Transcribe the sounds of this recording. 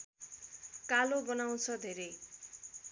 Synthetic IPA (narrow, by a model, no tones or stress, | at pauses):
kalobʌnaw̃t͡sʰʌd̪ʱeɾʌj